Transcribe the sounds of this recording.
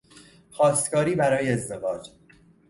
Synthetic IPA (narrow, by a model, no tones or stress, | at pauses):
xɒːst̪kɒːɾiːbæɾɒːjeːzd̪e̞vɒːd͡ʒ